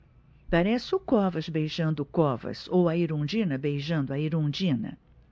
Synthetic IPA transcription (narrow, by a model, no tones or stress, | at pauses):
paɾɛsɪʊkɔvɐzbejʒɐ̃nd̪ʊkɔvɐ̰sowɐiɾõd͡ʒĩnɐbejʒɐ̃nd̪ʊɐiɾõd͡ʒĩnɐ̰